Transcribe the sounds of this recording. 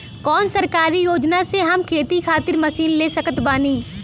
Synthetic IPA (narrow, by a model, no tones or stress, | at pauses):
kɔːnsɐɾkaːɾijoːd͡ʒnaseɦɐmkʰeːt̪ikʰaːt̪ɪɾmɐsiːnleːsɐkət̪baːniː